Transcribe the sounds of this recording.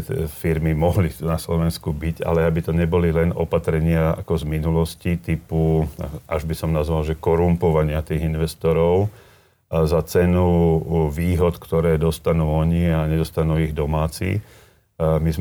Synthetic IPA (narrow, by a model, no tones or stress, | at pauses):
fiɾmimɔɦlinaslɔʋɛnskubiɟa̰lɛabit̪ɔɲɛbɔlilɛnɔ̰pat̪ɾɛɲɪaa̰kɔzminulɔscit̪ipuʔaʒbisɔmnazʋalʒɛkɔɾumpɔʋaɲɪat̪iːɣinʋɛst̪ɔɾɔʊ | zat͡sɛnuʋiːɦɔt̪kt̪ɔɾɛːd̪ɔst̪anuːɔɲiaɲɛd̪ɔst̪anuːiɣd̪ɔmaːt͡sḭː | miz